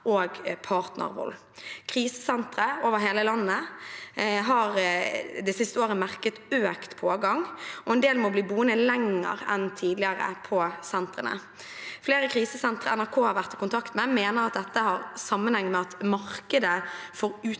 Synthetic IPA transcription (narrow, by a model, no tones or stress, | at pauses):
ʔoːɡpʰɑːʁt̪nə̰ʁʋɔ̰l | kʰʁiːsə̥sɛnt̪ɾəoːʋəɾɦeːləlɑnːə | ɦɑʁd̪ɛsɪst̪əoːʁəmæʁkət̪øːkt̪pʰoːɡɑŋɔɛnd̪eːlmɔbliːbuːənəlɛŋə̰ɾɛ̰nt̪ʰiːd̪lɪəɾə̰pʰɔsɛnt̪ʁənə̰ | fleːɾəkʰʁiːsəsɛnt̪ʁəɛnæɾkʰoːhɑɾʋæʁt̪ɪkʊnt̪ʰɑkt̪mɛmeːnəɾɑt̪̚d̪ɛt̪ːəhɑɾsɑmːənhɛŋːmɛɑt̪mɑɾkəd̪əfɔɾʉː